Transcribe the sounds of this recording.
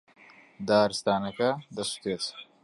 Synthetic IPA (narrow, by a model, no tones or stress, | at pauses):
d̪aːɾist̪aːnɐkad̪ɐsu̥t̪et͡s